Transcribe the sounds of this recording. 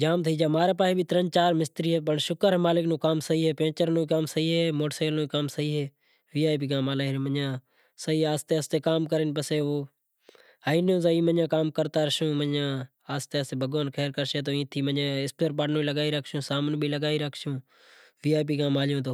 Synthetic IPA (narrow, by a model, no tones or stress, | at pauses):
d͡ʒaːmt̪ʰiːd͡ʒaːmaːɾeːpaːɦiːbiːt̪əɾənt͡ʃaːɾmɪst̪ɾiːɦeːp̬əɳʃʊkəɾɦeːmaːlɪknõːkaːmsəɦiːɦeːpẽːt͡ʃəɾnõːikaːmsəɦiːɦeːmoːʈseːlnoːikaːmsəɦiːɦeː | ʋiːaːjp̬iːkaːmaːlaːməãː | səɦiːaːst̪eːəst̪eːkaːmkəɾɪnpəseːoː | aːinõːzaːĩːmənjãːkaːmkəɾt̪aːɾʃõːməãː | aːst̪eːaːst̪eːbʱəɠʋənkʰeːɾkəɾʃeːt̪oːĩːt̪ʰiːməãːɪspeːɾpaːʈnõːiləɠaːiːɾəkʰʃjõːsaːmənbʱiːləɠaːiɾəkʰʃjõː | ʋiːaːp̬iːkaːmaːlɪjõːt̪̬oː